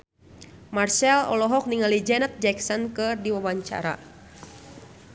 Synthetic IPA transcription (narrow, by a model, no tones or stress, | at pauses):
marsɛlɔ̰lɔɦɔk̚niŋalid͡ʒɛnət̪̚d͡ʒɛksɔnkɨrdiwawaɲt͡ʃa̰ɾa̰